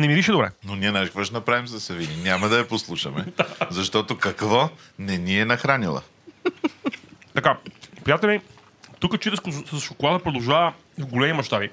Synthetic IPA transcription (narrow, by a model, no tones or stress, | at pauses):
nɛmid̪iʃɛd̪obɾɛ̰nonʲiɛnaʒɡvɐʃnɐpɾavimzɐsɐvininʲamɐd̪ɐɐposlˠuʃəmɛ̰̥azɐʃt̪ɔt̪okɐkvɔnɛniɛnɐxɾanilˠɐ̰ | t̪ɐkapɾijat̪ɛlʲɛ | t̪ukət͡ʃit̪ɛskosɐsʃokolˠad̪əpɾod̪ɐwˠʒavɐ | vɡolɛmimɐʃt̪abi